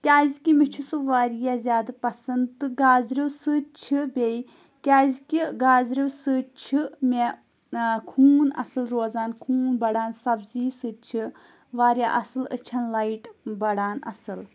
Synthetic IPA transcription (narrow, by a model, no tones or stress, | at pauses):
kʲaːzʲikʲimit͡ʃʰisɨʋaːɾijazʲjaːd̪ɨpɐsɐnd̪t̪ɨɡaːzɾiwsɨt͡ʃʰibʲej | kʲaːzikʲiɡaːzɾiwsɨt͡ʃʰime | kʰuːnɐ̰sɨlɾoːzaːnkʰuːnbɐɽaːnsɐbziːsɨt͡ʃʰi | ʋaːɾjaʔɐsɨlɨ̰t͡ʃʰɐnlaiʈbɐɽaːnɐ̰sɨl